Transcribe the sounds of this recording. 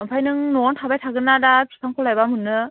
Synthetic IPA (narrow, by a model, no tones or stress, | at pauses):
ɯmpʰajnɯŋnɔɔntʰabajtʰaɡɯnːadapʰi̥kʰaŋkʰɔlajbamɯnːɯ